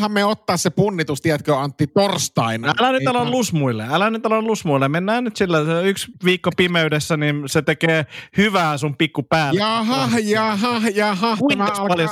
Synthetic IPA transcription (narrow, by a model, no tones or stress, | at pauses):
hɑmmeot̪ːɑːssepunːit̪ust̪iæt̪køːɑnt̪ːit̪orst̪ɑinɑælænyɑlollusmuilːḛælænyt̪ɑlollusmuilːemenːæːnnyt̪silːæsyksʋiːkːopimeydesːæninset̪ekeːhyʋæːsumpikːupæːlɑɦɑjɑːɦɑjɑhɑkuospɑljo